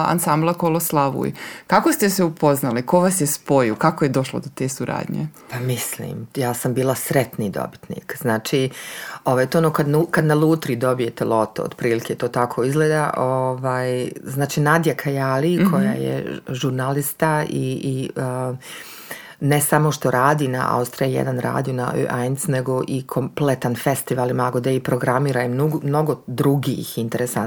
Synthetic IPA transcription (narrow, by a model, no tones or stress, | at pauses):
a̰nsamblˠakoloslˠaʋṵjkako̞st̪e̞seupo̞znaliko̞ʋasjespo̞jokakojed̪o̞ʃlˠod̪ot̪e̞ːsuɾʔa̰ːd̪ɲḛpamislḭːmjaːsambiːlˠasɾet̪niːd̪o̰bi̥t̪nḭːkz̥naːt͡ʃiːoʋaːjt̪oonoːkad̪nukad̪nalˠuːt̪ɾid̪o̞bije̞t̪elot̪o̰o̰d̪pɾiːliket̪oːt̪akʰo̞izɡleːd̪aʔoʋaːjznaːt͡ʃiːnad̪jakʰajalikʰo̞ja̰ːjḛʒuɾnalist̪aḭə | neɛsamo̞ʃt̪o̞ɾaːd̪iːna̰ʔa̰ust̪ɾiajḛd̪anɾa̰ːd̪ijona̰ʔø̰ʔa̰jnsneɡo̞ʔikʰomplet̪anfe̞st̪iʋalˠimaɡod̪eipɾo̞ɡɾamiːɾaimnuɡmno̞ɡod̪ɾuɡḭhint̪eɾesan